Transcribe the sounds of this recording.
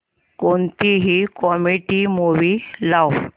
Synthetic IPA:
kont̪iɦikɔmiʈimuʋilaw

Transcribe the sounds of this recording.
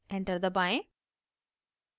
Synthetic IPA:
ɛ̃ɳʈəɾd̪əbãɪ̃

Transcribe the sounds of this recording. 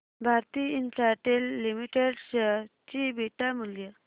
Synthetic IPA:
bʱaɾt̪iinsaʈelːimiʈeɖɕəɾt͡ɕibʱiʈamuljə

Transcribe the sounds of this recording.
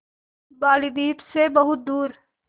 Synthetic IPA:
baːlid̪iːpsebɐɦʊt̪̚d̪uːɾ

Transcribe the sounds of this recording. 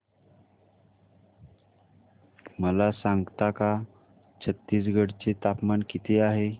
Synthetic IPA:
məlasãŋɡt̪aka | t͡ɕʰət̪ːiːsɡʱəɽt͡set̪apmankit̪ʰeaɦe

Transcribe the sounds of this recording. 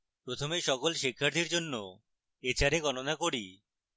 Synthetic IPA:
pɾot̪ʰomeʃɔkolʃikʰːaɾt̪ʰiɾd͡ʑonːo | et͡ɕaɾeɡɔnonakoɾi

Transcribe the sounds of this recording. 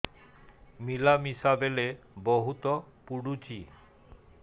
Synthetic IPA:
milamisabele | boɦut̪ɔpuɽut͡ɕi

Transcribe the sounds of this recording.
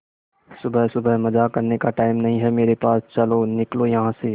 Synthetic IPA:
sʊbʱəɦsʊbʱəɦməd͡ʒakəɾnekaʈaːɪmnɐɦĩɦɛmeːɾepaːst͡ʃəlonɪklojɐɦãse

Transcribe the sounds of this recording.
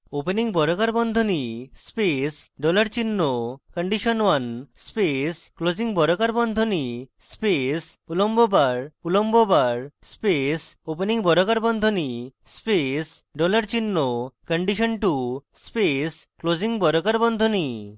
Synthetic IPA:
openiŋbɔɾokaɾbɔnd̪ʱonispesɖɔlaɾt͡ɕinːokəɳɖiʃɔnwanspesklod͡ʑiŋbɔɾokaɾbɔnd̪ʱonispesulombobaɾulombobaɾspesopeniŋbɔɾokaɾbɔnd̪ʱoni | spesɖɔlaɾt͡ɕinːokəɳɖiʃɔnʈuspesklod͡ʑiŋbɔɾokaɾbɔnd̪ʱoni

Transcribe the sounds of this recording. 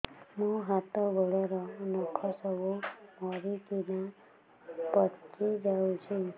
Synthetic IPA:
mũɦat̪ɔbɔɭɔɾɔːnukʰɔsɔbumɔɾikina | pɔtːid͡ʒawt͡ʃʰi

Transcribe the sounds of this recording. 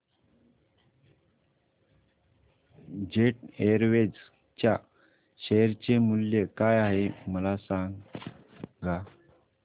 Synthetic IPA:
d͡ʑeʈeɾʋed͡z | t͡ɕja | ɕeɾt͡ɕemuljekajaɦeməlasãŋ | ɡa

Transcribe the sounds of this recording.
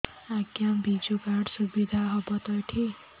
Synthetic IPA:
aɡjambʱid͡zukaɽsubid̪ʱaɦʌbʌt̪ʌjʈʰi

